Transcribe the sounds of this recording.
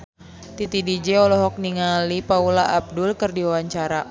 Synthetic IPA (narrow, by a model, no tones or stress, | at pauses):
t̪it̪idid͡ʒɛɔlɔɦɔk̚niŋalipaulaʔab̚dʊlkɨrdiwawaɲt͡ʃaɾa